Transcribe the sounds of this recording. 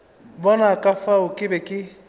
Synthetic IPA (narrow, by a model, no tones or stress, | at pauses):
bɔnakafaokibeki